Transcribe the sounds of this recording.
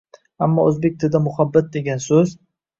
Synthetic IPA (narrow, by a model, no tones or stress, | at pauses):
amːɒɵzbe̞k̚ʲt̪ʰɪd̪amʊhabːat̪̚d̪e̞ɡʲansɵz